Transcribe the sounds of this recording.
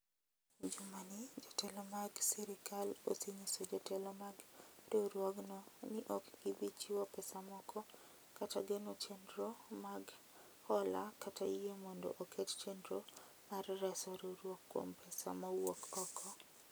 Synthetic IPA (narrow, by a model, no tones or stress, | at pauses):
d͡ʒumanɪd͡ʒɔtɛlɔmaɡsɛɾɪkalosiɲisod͡ʒɔtɛlɔmaɡdoɾwoɡnɔnɪʔɔkɡ̥ibit͡ʃiwɔpɛsamɔkʰɔ | kataɡenot͡ʃendɾomaɡ | hɔla̰katajemɔndo̰ʔokett͡ʃendɾo | marɾɛsɔɾoɾwokːwo̰mpʰɛsa̰mawokɔkʰɔ